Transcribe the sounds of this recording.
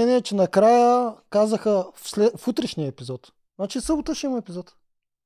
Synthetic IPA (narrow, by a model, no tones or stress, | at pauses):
ɛniɛt͡ʃɛnɐkɾajəkazəxəfslɛfut̪ɾɛʃnijəɛpizɔt̪ | nat͡ʃisɤbʊt̪əʃɛimɐɛpizɔt̪